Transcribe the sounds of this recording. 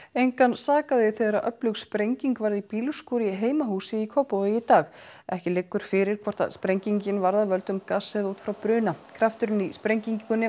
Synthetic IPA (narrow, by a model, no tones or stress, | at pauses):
ejŋkansaːkaðɪθeːðɾaðʔœplʏɣspɾejɲciŋkvaɾðipiːlʏskuːɾɪɦeːjmaɦuːsɪikʰɔwpowðɪit̪aːx | ɛhcɪlɪkːʏɾ̥fɪɾɪɾ̥kʰvɔɾ̥t̪a̰ðspɾejɲciɲcɪnvaɾðavœlt̪ʏmkasːɛðuːt̪fɾawpɾʏːnakʰɾaft̪ʏɾʏnispɾejɲciɲʏnːɪ